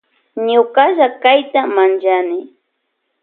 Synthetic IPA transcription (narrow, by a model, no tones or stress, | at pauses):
ɲʊkaʒakajt̪amant͡ʃanɪ